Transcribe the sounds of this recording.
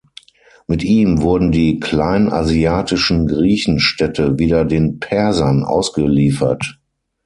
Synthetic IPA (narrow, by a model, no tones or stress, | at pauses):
mɪtʔiːmvʊɐdn̩diːkʰl̥aɪna̰ziaːtɪʃn̩ɡʁiːçn̩ʃtɛtʰəviːdɐdeːnpʰɛɐzɐnʔa̰ʊsɡ̥əliːfɐ̰t